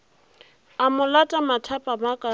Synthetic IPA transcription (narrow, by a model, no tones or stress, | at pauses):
amʊlatʼamatʰapʼamakʼa